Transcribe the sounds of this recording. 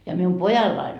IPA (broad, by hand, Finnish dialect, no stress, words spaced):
jɑ mium pojɑlːɑin